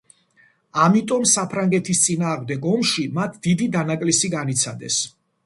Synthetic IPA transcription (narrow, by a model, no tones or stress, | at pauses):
amit̪ʼɔmsapʰɾaŋɡɛt̪ʰist̪sʼinaːʁmd̪ɛɡɔmʃimat̪ʰd̪̥id̪id̪anakʼlisiɡanit̪sʰad̪ɛ̰s